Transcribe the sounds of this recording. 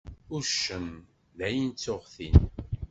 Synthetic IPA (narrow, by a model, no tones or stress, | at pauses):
ʊɾʃəm | ðæjənt͡sːoʁθḭn